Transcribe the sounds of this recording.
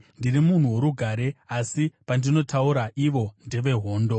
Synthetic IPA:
ndirimun̤uwo̞ɾuɡʱaɾe̞asipandino̞tʰauɾaʔiʋo̞ndeʋe̞ɦo̞ːndo̞

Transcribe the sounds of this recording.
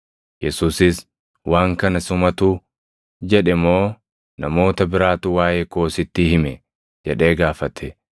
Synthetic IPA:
jɛsuːsɪs | waːŋkɐnɐsʊmɐt̪uː | d͡ʒɛᶑɛmo̞ː | nɐmo̞ːt̪ɐbɪɾaːt̪ʊwaːjeːko̞ːsɪt̪ːɪhɪmɛ | d͡ʒɛᶑe̞ːɡaːfɐt̪ʰɛ

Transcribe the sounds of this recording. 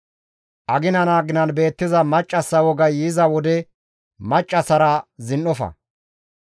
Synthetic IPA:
ʔɐɡɪnɐnaːɡɪnɐnbe̞ːt̪ːɪzɐmɐt͡ʃʼːɐsːɐwɔɡɐjiːzɐwɔd̪ɛ | mɐt͡ʃʼːɐsɐɾɐzɪnːɔfɐ̰

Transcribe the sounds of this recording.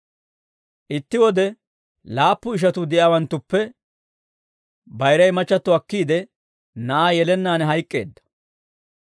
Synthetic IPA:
ʔɪt̪ːɪwɔd̪ɛ | laːpːʊɪʃ̬ɐt̪ʊd̪ɪʔjaːwɐnt̪ːʊpːɛ | bɐjɾɐjmɐt͡ʃːɐt̪ːʊɐkːiːd̪ɛ | nɐʔaːjɛlɛnːaːnɛɦɐjkʼːe̞̰ːd̪ːɐ̥

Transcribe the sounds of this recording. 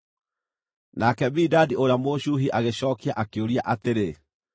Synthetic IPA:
nakɛbidadioɾeamoɕuɦiʔaɣeɕɔːkiaʔakeoɾiaʔateɾe

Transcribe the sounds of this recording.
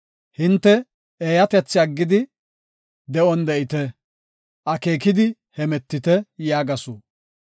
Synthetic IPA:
hɪnt̪ːɛ | eːjɐt̪ɛt͡sːɪɐɡːɪd̪ɪ | d̪ɛʔɔnd̪ɛʔɪt̪ɛ | ʔɐke̞ːkɪd̪ɪ | hɛmɛt̪ːɪt̪ɛjaːɡɐsuː

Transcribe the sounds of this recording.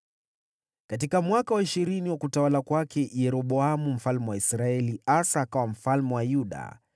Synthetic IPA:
kat̬ikamwakawaiʃiɾiniwakutawalakwakɛjɛɾɔɓɔamum̩falmɛwaisɾaɛliasaːkawam̩falmɛwajuɗa̰

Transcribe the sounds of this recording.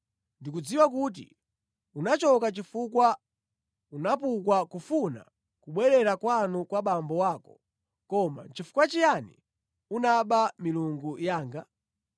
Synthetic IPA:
ndik̬ud͡ziwak̬ut̬ḭ | unat͡ʃɔkat͡ʃifukwa | unapukwakufuna̰ | kuɓwɛɾɛɾakwanukwaɓambɔwaːkɔ̥ | kɔma̰t͡ʃifu̥kwat͡ʃijanḭ | unaɓamiluŋɡujaːŋɡa

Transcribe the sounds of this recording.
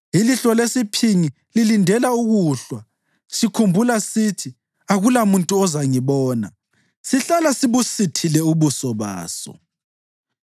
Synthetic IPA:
iliɬɔlesipʰiŋi | lilindʱɛlauɣuːɬwa | sikʰumbʱulasitʰi | aɣulamuntʼuɔzaŋiβɔːna̰ | siɬalasiβusitʰilɛuβusɔβa̰ːsɔ̰

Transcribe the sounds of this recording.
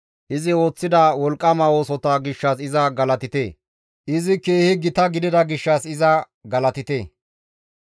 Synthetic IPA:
ʔɪzɪo̞ːt͡sːɪd̪ɐwɔlkʼːɐmɐoːsɔt̪ɐɡɪʃːɐsɪzɐɡɐlɐt̪ɪt̪ḛː | ʔɪzɪkeːhɪɡɪt̪ɐɡɪd̪ɪd̪ɐɡɪʃːɐsɪzɐ | ɡɐlɐt̪ɪt̪eː

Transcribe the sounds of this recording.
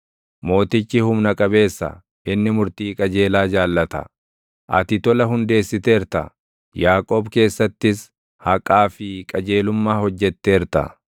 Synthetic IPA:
mo̞ːt̪ɪt͡ʃːɪhʊmnɐkʼɐbe̞ːsːɐ̰ | ʔɪnːɪmʊɾt̪iːkʼɐd͡ʒe̞ːlaːd͡ʒaːlːɐt̪ɐ̰ | ʔɐ̰t̪ɪt̪ɔlɐɦʊnd̪e̞ːsːɪt̪e̞ːɪɾt̪ɐ̰ | jaːkʼo̞ːbke̞ːsːɐt̪ːɪs | hɐkʼaːfɪkʼɐd͡ʒe̞ːlʊmːaːhɔd͡ʒːɛt̪ːe̞ːɾt̪ɐ̰

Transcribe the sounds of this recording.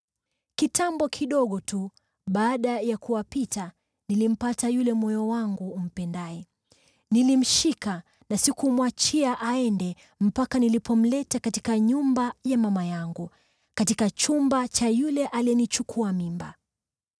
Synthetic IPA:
kitʰambɔkʰiɗɔɠɔtu | ɓaːɗajakuwapita | nilim̩patajulɛmɔjɔwaŋɡum̩pɛndaɛ | nilim̩ʃika | nasikumwat͡ʃiaʔaɛndɛ | m̩pakanilipɔm̩lɛtakati̥kaɲumbajamamajaŋɡu | katikat͡ʃumbat͡ʃajulɛʔaliɛnit͡ʃukʰuamimba̰

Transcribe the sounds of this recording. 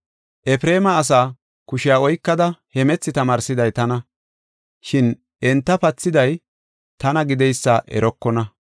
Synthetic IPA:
ʔɛfɾe̞ːmɐːs̬aː | kʊʃɪjaːɔjkːɐd̪ɐhɛmɛt͡sːɪt̪ɐmaːɾsɪd̪ɐjt̪ɐnɐ | ʃɪn | ʔɛnt̪ːɐpɐt͡sːɪd̪ɐj | t̪ɐnɐɡɪd̪ɛjsːɐʔɛ̰ɾɔkːɔnɐ

